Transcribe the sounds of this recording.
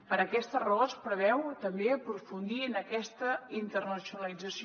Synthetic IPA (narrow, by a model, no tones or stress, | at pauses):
pəɾəkɛst̪ərəospɾəβɛwt̪əmbeəpɾufund̪iənəkɛst̪əint̪ərnəsjunəlˠid͡zəsi